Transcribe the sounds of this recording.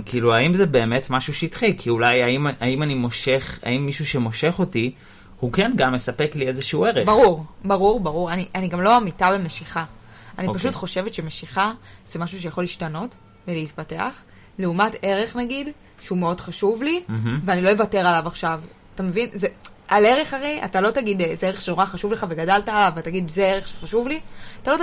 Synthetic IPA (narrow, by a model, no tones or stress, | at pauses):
kʰiːluaimzebe̞ːmetmaʃuʃeitχikʰiulajaimaimanimo̞ʃe̞χa̰imːiʃuʃe̞mo̞ʃe̞χo̞ti | hukenɡamje̞sape̞kliezeʃeue̞ʁebaʁuʁbaʁuʁbaʁuʁaniʔaniɡamlo̞amitabe̞me̞ʃiχaanipaʃutχo̞ʃe̞vetʃe̞meʃiχaz̥e̞maʃuʃ̬ejaχo̞liʃtano̞t | veleitpate̞a̰χ | leumate̞ʁe̞χnaɡid | ʃeume̞o̞dχaʃuvliveanilo̞jevate̞ʁalavaχʃav | atame̞vinze | ʔale̞ʁe̞χaʁejʔa̰talo̞taɡidezeeeχʃeno̞ʁaχaʃuvle̞χave̞ɡadaltaːlavataɡidzeeʁeχʃeχaʃuvliatalo̞t